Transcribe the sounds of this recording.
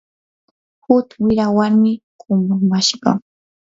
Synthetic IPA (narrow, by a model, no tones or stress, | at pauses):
hʊt̪wɪɾawaɾmɪkʊmamaʃɢɑ̰